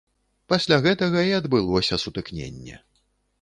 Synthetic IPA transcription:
pasʲlʲaɣɛt̪ɐɣɐiɐd̪bɨlˠɔsʲɐsut̪ɨknʲḛnʲːɛ̰

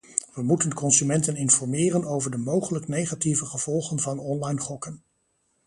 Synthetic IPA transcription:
ʋəmutənkɔnsymɛntənɪnfɔɹmɪːrənowvəɹdəmowχələknejχativəχəv̥ɔlˠχənvɑnɔnlɑjnχɔkən

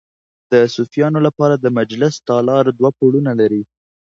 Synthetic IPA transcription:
d̪̥əsufijɑnolapɑɾad̪əmad͡ʒlɪst̪ɑlɑɾd̪wapuɽunalaɾi

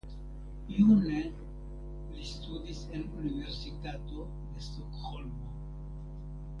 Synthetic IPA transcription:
june | list̪ud̪isenuniveɾsit̪at̪o | d̪est̪okholmo

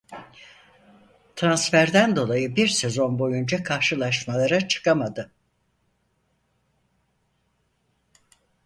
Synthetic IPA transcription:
t̪ʰɾansfæɾd̪ænd̪o̞lˠajɯbiɾse̞zo̞nbo̞jund͡ʒakʰaɾʃɯlˠaʃmalˠaɾat͡ʃʰɯ̥kamad̪ɯ

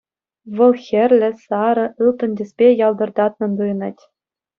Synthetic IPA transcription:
ʋɤ̆lˠxʲɘ̆rʲlʲɘ̆sɑɾɤ̆ʔɯlˠt̪ɤ̆nʲdʲɘ̆sʲpʲejɑlˠd̪ɤ̆rd̪ɑt̪̚nɤ̆nd̪ɯjnɤ̆tʲ

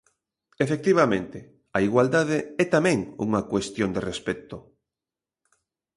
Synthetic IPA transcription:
efek̚t̪iβ̞amẽnt̪ɪ | aiɣwald̪aðeɛt̪amɛ̃ŋṵŋakwest̪jond̪erespɛt̪o

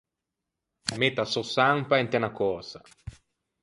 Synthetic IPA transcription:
met̪asosaŋpaent̪enakɔsa

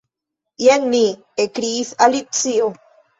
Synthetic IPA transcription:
jenːi | ekɾiθalip̚t͡siʔo

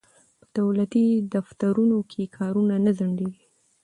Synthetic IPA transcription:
pə̥d̪̥awlat̪id̪aft̪aɾunokʰekʰɑɾunanazaɳɖeɡi

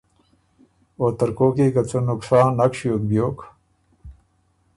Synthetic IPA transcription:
oːt̪ɐɾkoːkiːkɐt͡sonuksaːnːɐkɕjoːk̚bjoːk

